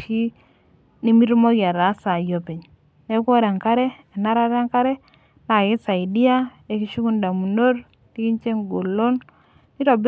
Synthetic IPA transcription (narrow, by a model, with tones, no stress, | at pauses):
ʃi˦ | ni˦mi˦ɾmo˦ɡa˨ɾa˨˦sa˨jo˨pe˨ɲ | ne˦kʷo˦ɾa˨ŋka˦ɾɛ˦ɛ˨na˦ɾa˦ɾa˦ŋka˦ɾɛ˦ | na˨kɪ˦sa˨i˨di˦a˦ | e˨ki˦ʃu˦ku˦nda˨mu˨no˦ɾ | ti˦ki˦ɲt͡ʃe˦ŋɡo˨lo˦n | ni˦ɾɔ˨b